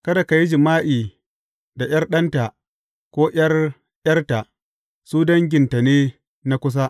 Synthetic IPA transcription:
kɐ˦da˨ka˨ji˦d͡ʒɪ˨maː˦ʔiː˨ | da˨j̰ɐ˦rɗɐ˦nta˨ʔ | kʷoː˦ʔj̰ɐ˦r | jɐ˦rta˨ʔ | suː˦dɐ˦ŋɡʲɪ˨nta˨neː˦ | na˦kʷʊ˦s̬a˦ʔ

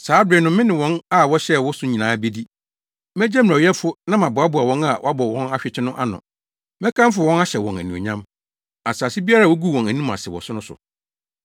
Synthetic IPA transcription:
saː˨˦dɪ˨nʊ̃˦mɪ̃˦nɪ̃˨wɔ̃˦na˦˨wɔ˦ɕɛ˦wɔ˦sʊ˦ɲĩ˨nãː˨˦be˦di˦ | mɛ˦d͡ʑɛ˦m̩˨æ˨wɛ˦fʊ˦nã˦mã˨bʊ˨a˦bʊ˨a˨wɔ̃˦na˨wʔa˦bɔ˨wɔ̃˦na˦ɕᶣɪ˨t͡ɕʰɪ˦nʊ̃˦ʔa˦nʊ̰̃˨ | mɛ̃˦kʰã˦m˦fʊ˨wɔ̃˦na˦ɕɛ˨wɔ̃˨næ̰˨nũ˨o̰˨ɲã˦m | a˨saː˨si˦bi˦a˦ɾa˦˨ɔ˦ɡu˦wɔ̃˨næ˨nũ˦ma̰˨sɪ˨wɔ̰˨sʊ˦nʊ̃˦sʊ̰˨

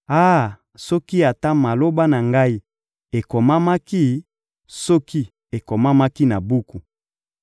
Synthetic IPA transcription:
a˦˨ | sɔ˦ki˦a˨ta˦ma˨lo˦ba˦na˨ŋɡa˦i˦ | e˨ko˨ma˦ma˦ki˦˨ | sɔ˦ki˦ | e˨ko˨ma˦ma˦ki˦na˨bu˦ku˨

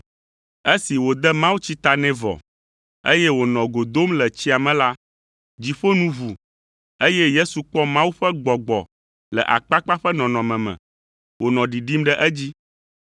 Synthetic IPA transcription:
e˦si˨wo˨d̪ɛ˦mã˦wu˦t͡ɕi˦t̪a˨nɛ̃˦vɔ̰˨ | ḛ˦jɛ˦wo˨nɔ̃˨ɡo˨d̪o˦mlɛ˨t͡ɕi˦a˨mɛ̃˨la˦ | d͡ʑi˨ɸo˦nũ˦βu˨ | e˦jɛ˦je˦su˨k͡pɔ˦mã˦wu˦ɸɛ˦ɡ͡bɔ˨ɡ͡bɔ̰˨ | lɛ̰˨ʔa̰˨k͡pa˦k͡pa˦ɸɛ˦nɔ̃˨nɔ̃˨mɛ̃˨mɛ̰̃˨ | wo˨nɔ̃˨ɖi˨ɖi˦mɖɛ˦ʔɛ˦d͡ʑi˦

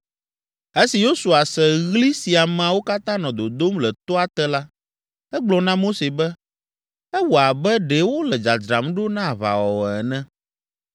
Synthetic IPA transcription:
e˦si˨jo˦su˨a˨sɛ˨ɣli˦si˨a˨ma˨wo˦ka˦t̪ã˦nɔ̃˨d̪o˨d̪o˦mlɛ˨t̪ɔ˦a˦t̪ɛ˦la˦ | ɛ˦ɡ͡blɔ˨nã˦mo˦se˨bɛ˦ | ɛ˦wo˨a˨bɛ˦ɖɛ˨wo˦lɛ˨d͡ʒa˨d͡ʒ̪ɾa˨mɖo˦nã˦˨βa̰˨wɔ˨wɔ˨ɛ˨nɛ̃˦

